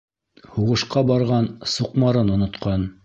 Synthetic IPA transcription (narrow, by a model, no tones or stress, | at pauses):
huʁɤ̆ʃqɑbɑɾʁɑnsuqmɑɾɤnŏnŏt̪qɑn